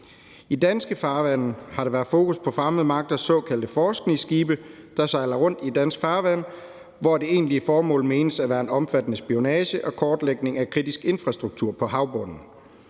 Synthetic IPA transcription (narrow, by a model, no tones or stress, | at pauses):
id̥ænsɡ̥əfɑ̈ːʋæn̰n̩hɑ̈ɾeʋæɐfo̝ːkʰuspʰɒ̽fʁaməð̩ˠmɑ̈ɡ̥̚d̥ɐsɒ̰̽ːkʰæl̰d̥əfɒːsɡ̥nisɡ̥iːb̥ə | d̥ɑ̈sɑ̈ɪlɐʁɔ̽n̰d̥id̥æn̰sɡ̥fɑ̈ːʋæn̰ | ʋɒd̥e̝e̝ːnliəfɒːmɔ̰̽ːlme̝ːnəsæʋæːɐe̝nɒ̽mfæd̥ənəsb̥io̝nɛːɕəʔɒ̽kʰɒːd̥leɡ̥ne̝ŋækʰʁid̥isɡ̥e̝nfʁɑ̈sd̥ʁuɡ̥̚t͡sʰuɐ̰pʰɒ̽ɦɑ̈ʊb̥ɔ̽n̰n̩